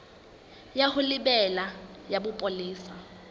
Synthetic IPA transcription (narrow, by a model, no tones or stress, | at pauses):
jahʊlɪbɛlajabʊpʼoliːsa